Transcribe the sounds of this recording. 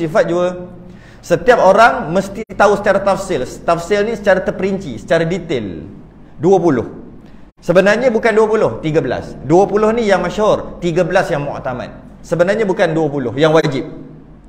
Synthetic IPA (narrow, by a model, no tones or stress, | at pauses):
ifat̪̚d͡ʒua | sət̪iap̚oɾaŋməst̪it̪ausə̥t͡ʃaɾat̪afsɪlst̪afsɪlnisət͡ʃaɾat̪ərpəɾiɲt͡ʃisə̥t͡ʃaɾadit̪el | duapulʊ̰h | səbənarɲabukanduapulʊht̪iɡabla̰sduapulʊhnijaŋməʃɦʊrt̪iɡabəlasjaŋmũa̰t̪ama̰t̪̚ | səbənarɲabukanduapulʊ̰hjaŋwad͡ʒip̚